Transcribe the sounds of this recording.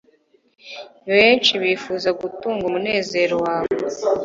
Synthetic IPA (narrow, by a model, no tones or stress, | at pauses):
βe̞ːnt͡ʃiβiːfuzaɡutuːŋɡumune̞ːze̞ːɾo̞waːβo